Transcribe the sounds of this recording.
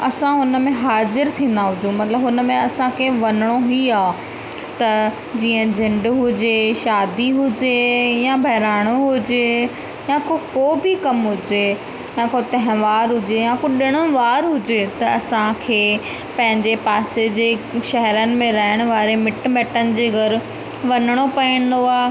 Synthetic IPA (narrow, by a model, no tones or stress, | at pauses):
ɐsãɦʊnə̆mẽɦaːzɪɾt̪ʰĩːn̆d̪aɦʊd͡ʑũːmɐt̪ɪləbɦʊnəmẽɐsãkʰeʋɐnɪɽ̃oɦiaː | t̪ɐ | d͡ʑiːə̃d͡ʑʱɪ̃ɳɖɦʊd͡ʑeʃaːd̪iɦʊd͡ʑejãbʱɐɦɾaːɽ̃oɦʊd͡ʑe | jãkokoːbʱikɐmɦʊd͡ʑe | jãkot̪ɐɦɪ̃ʋaːɾɦʊd͡ʑejãkoɗɪɽ̃ʊʋaːɾɦʊd͡ʑet̪ɐɐsãkʰeː | pɐ̃ɦɪ̃ɲd͡ʑepaːsed͡ʑeːʃɐɦɛɾənɪ̆mẽɾɐɦɪɽ̃ʊʋaːɾemɪʈmɛːʈənɪ̆d͡ʑeːɣɐɾʊ̆ | ʋɐnəɽ̃opɐiɽ̃d̪oaː